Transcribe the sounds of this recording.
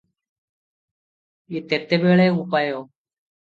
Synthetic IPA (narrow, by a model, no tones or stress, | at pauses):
iːt̪eːt̪eːɓeːɭeːuːpaːjoː